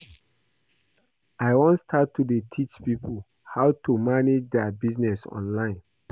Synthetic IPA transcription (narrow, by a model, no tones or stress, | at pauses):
aɪwɔ̃nstʰatʰːudetʰit͡ʃpipəl | haʊtʰumaned͡ʒdɛabiznɛsɔ̰̃nlãɪ̃n